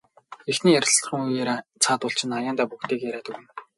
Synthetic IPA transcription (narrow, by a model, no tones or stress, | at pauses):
exniːjæɾʲɪ̆ɮ̆χə̆ŋujeːɾat͡sʰaːt̪ʊɬt͡ɕɪ̆najaːnt̪aːpukt̪eːkjæɾaːt̪ɵwɘ̆n